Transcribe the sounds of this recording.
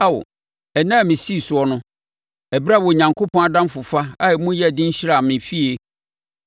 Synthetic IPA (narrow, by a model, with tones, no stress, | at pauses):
a˦wo̰˨ | ɛ˨nãː˦˨mɪ̃˨si˦˨sʊ˨ɔ˨˦nʊ̃˦ | ɛ˨bɾa˦˨wɔ˨ɲã˨ŋkʰo˦pʰɔ̃˦a˨dã˦m˦fʊ˨fa˦a˦ɛ˨mũ˦jɛ˦˨dɪ̃˦ɲ̩˦ɕɪ˦ɾa˦˨mɪ̃˨fi˦e˦